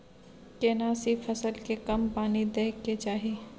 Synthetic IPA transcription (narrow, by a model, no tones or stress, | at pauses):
keːnaːsifʰɐsəlkekɐmpaːnid̪eːkːet͡ʃaːɦiː